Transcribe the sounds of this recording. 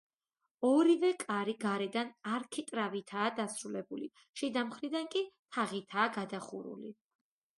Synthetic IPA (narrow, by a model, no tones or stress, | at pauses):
ɔɾivɛkʼaɾiɡaɾɛd̪anaɾkʰit̪ʼɾavit̪ʰaːd̪asɾulɛbuli | ʃid̪amχɾid̪ankʼit̪ʰaʁit̪ʰaːɡad̪aχṵɾṵli